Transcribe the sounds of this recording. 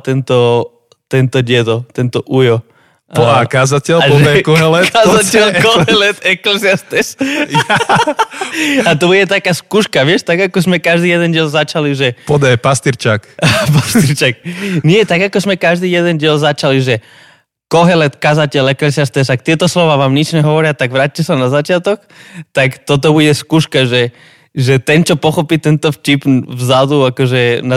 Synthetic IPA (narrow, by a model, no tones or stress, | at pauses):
t̪ɛnt̪ɔ | t̪ɛnt̪ɔɟɛd̪ɔt̪ɛnt̪ɔʔujɔ | akazacɛlapɔʒɛɛkɔɦɛlɛtk̪azatɛlkɔɦɛlɛt̪ɛklɛsiast̪ɛʃ | at̪obuɟɛt̪akaskuʃkaʋɪɛʃt̪aɡakɔsmɛkaʒd̪ijɛd̪ɛnɟɛlzat͡ʃaliʒɛpɔd̪ɛpast̪iɾt͡ʃakpast̪iɾt͡ʃak̚ɲɪɛt̪aɡakɔzmɛkaʒd̪iːjɛd̪ɛnɟɪɛlzat͡ʃaliʒɛ | kɔɦɛlɛt̪kazacɛlakɛsast̪ɛsak̚t̪ɪɛt̪ɔslɔʋaːʋaːmɲɛt͡ʃɲɛɦɔʋɔɾɪat̪aɡʋɾaːc̚cɛsanazat͡ʃɪat̪ɔk | t̪akt̪ɔt̪̬ɔbuɟɛskuːʃkaʒɛ | ʒɛt̪ɛnt͡ʃɔpɔxɔpit̪ɛnt̪ɔft͡ʃipvzad̪uakɔʒɛna